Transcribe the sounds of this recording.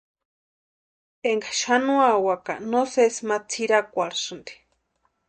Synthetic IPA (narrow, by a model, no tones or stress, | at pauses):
eŋɡḁʃanũawaka̰nosesmat͡sʰiɾakʷaɾsɨnd̪i̥